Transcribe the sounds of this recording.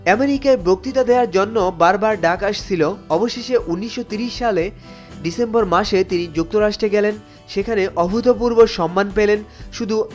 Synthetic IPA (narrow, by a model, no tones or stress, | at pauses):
ɛmeɾikaebok̚t̪it̪ad̪eaɾd͡ʑonːobaɾbaɾɖakaʃt͡ɕʰiloɔboʃeʃeʔunːiʃːot̪iɾiʃːale | ɖisemboɾmaʃet̪inid͡ʑuk̚t̪oɾaʃʈɾeɡɛlen | ʃekʰaneʔɔbʱut̪opuɾboʃɔmːanpelenʃud̪ʱu